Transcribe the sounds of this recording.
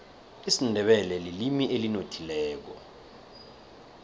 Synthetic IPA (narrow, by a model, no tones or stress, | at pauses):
isindʱɛɓɛlɛlilimiʔelinotʰilɛːk̬ɔ